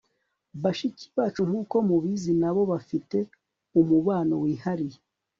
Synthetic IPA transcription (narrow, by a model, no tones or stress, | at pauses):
βaʃiciβaːt͡ʃuŋ̥uːko̞muβizinaβo̞βafite̞ | umuβaːno̞wiːhaɾije